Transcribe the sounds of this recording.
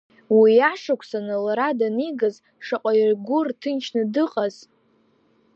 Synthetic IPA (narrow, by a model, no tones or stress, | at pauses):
wiaʂakʷʰsanɨlaɾadaniɡaz | ʂaqʷʼairɡʷʊrtʰɨnt͡ʃʰnɨdɨqʼaz̥